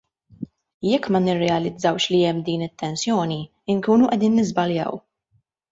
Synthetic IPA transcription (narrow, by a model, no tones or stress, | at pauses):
jɛkːmɐnɪrːɛɐlɪd͡zːɐwʃliɛmːd̪iːnɪt̪ːɛnsjɔːni | ɪŋkuːnuʔɛd̪iːnːɪzbɐljɐ̰w